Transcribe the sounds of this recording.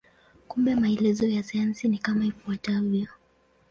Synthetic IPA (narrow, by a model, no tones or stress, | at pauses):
kumbɛmaɛlɛzɔjasajansinikamaifuataviɔ